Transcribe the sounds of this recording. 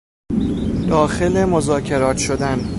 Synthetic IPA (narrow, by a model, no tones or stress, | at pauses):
d̪̥ɒːxelemozɒːcʰe̞ɾɒːt̪ʰʃo̞d̪æn